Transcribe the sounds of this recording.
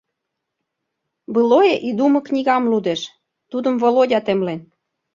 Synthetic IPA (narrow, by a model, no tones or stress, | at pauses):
bɯlojeʔid̪umɤ̆knʲiɣɑmlud̪eʃ | t̪ud̪ə̆mvolodʲɑt̪emlen